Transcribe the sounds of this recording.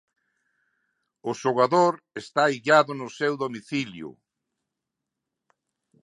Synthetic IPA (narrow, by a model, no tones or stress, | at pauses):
ʊʃoɣaðoɾ | est̪aiʎaðʊnʊsewðomiθiljʊ̰